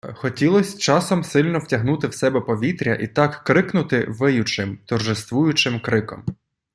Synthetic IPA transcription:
xɔtʲilˠɔsʲt͡ʃɑsɔmsɪlʲnɔwtʲɐɦnut̪ɪwsɛbɛpɔʋʲit̪ɾʲɐ̰ʔit̪ɑkːɾɪknʊt̪ɪʋɪjʊt͡ʃɪmt̪ɔrʒɪst̪ʋujʊt͡ʃɪmkɾɪkɔ̰m

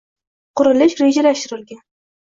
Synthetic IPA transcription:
qʰʊɾɪlɪʃɾed͡ʒalaʃt̪ɪɾɪlɡʲan

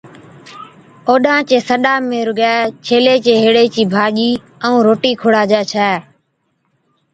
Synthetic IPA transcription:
oːɗãːt͡ʃeːsəɗaːmẽːɾʊɡaːt͡ʃʰeːleːt͡ʃeːɦeːɽeːt͡ʃiːbʱaːʄiː | əũːɾoːʈiːkʰʊɽaːd͡ʒaːt͡ʃʰɛː

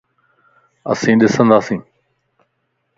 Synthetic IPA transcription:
ə̰sĩːɗɪsə̃nd̪aːsĩː

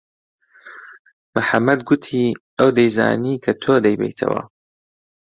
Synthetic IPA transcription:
maħamːɐd̪ɡʊt̪ʰiː | ʔɐwd̪ɐjza̰ːniːkʰɐt̪ʰoːd̪ɐjbḛjt̪ʰɐ̰wɐ̰

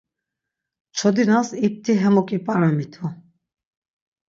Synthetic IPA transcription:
t͡ʃʰɔd̪inasip̚t̪ʰʼiɦɛmɔkʼipʼaɾamit̪ʰu

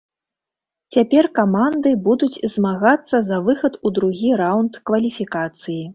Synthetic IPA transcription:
t͡sʲapʲɛrkamand̪ɨbud̪ut͡sʲzmaɣat̪sːɐzɐvɨxɐt̪ud̪ɾuɣʲiɾawnt̪kvɐlʲifʲikat̪sɨji

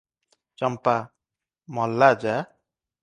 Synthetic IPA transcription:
t͡ʃɔmpa | mɔlːad͡ʒa

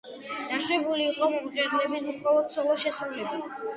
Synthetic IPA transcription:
d̪̥aʃwɛbuliːqʼɔmɔmt͡ʃʼɛd̪lɛbismχɔlɔt̪̚sʰɔlˠɔʃɛsɾulɛbi

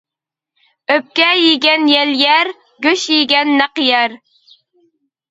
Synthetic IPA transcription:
øp̚kʲɛjiɡʲɛnjɛljæɾ | ɡʲøʃjiɡʲɛnːæqjɛɾ

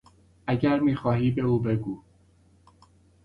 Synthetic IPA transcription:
ʔæɟæɾmiːxɒːɦiːbe̞uːbe̞ɡuː

